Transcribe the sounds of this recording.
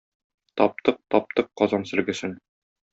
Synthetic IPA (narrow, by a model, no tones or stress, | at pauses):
t̪ɒp̚t̪ɤq̚t̪ɒp̚t̪ɤqːɒzɑnsɘ̆lɡɘ̆sɘn